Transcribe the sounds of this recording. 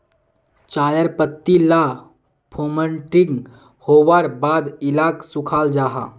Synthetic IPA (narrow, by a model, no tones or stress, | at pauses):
t͡ʃajəɾpət̪ːila | pʰoməɳʈiŋɡ | howaɾbad̪ilaksukʰald͡ʒaɦa̰